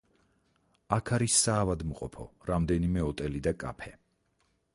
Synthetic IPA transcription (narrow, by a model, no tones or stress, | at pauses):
akʰaɾisːaːvad̪mqʼɔ̰pʰɔ̰ɾamd̪ɛnimɛɔt̪ʼɛlid̪akʼa̰pʰɛ